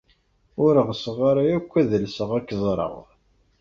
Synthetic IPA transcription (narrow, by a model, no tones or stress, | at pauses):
ʊɾəʁsəʁaɾˤajækʷːæðəlsəʁækːzˤɾˤə̰ʁ